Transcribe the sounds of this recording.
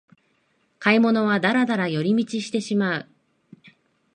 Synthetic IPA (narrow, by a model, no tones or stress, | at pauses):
kaimo̞no̞β̞ad̪aɾad̪aɾajo̞ɾʲimʲit͡ɕiɕi̥t̪e̞ɕimaɯ̟